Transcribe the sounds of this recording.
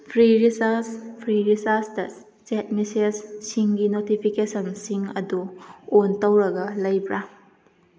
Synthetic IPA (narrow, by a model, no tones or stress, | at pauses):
pʰɾiɾisaspʰɾiɾisaɾsdɐ | t͡ʃet̚misessiŋɡinotipʰikesɐnsiŋɐ̰duontɐwɾɐɡɐlɐjbɾa